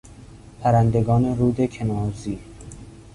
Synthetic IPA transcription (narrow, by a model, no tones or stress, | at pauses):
pʰæɾænd̪eɡɒːneɾuːd̪ekʰenɒːziː